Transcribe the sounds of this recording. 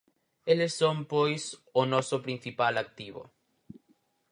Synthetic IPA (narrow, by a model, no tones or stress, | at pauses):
elesːõmpojsonɔsopɾin̟θipalak̚t̪iβo̰